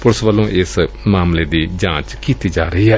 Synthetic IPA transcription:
pʊɾsʋəlːõːʔɪs | maːmleːd̪iːd͡ʒãːt͡ʃkiːt̪iːd͡ʒaːɾəiːɦɛː

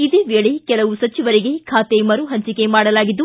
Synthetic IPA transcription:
id̪eːʋeːɭe̞kɛlɐʋusɐt͡ʃiʋɐɾiɡe̞kʰaːt̪emɐɾuɦɐɲt͡ʃike̞maːɽɐlaːɡid̪ːu

